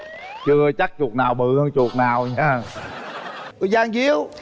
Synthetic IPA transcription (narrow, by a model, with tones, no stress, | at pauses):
t͡ɕɨ˧t͡ɕa˦˥k̚t͡ɕu˨˩k̚naː˨˩wɓɨ˨˩ə˧t͡ɕu˨˩ək̚naː˨˩wɲaː˧˨ | zaː˧ŋzi˧˦əw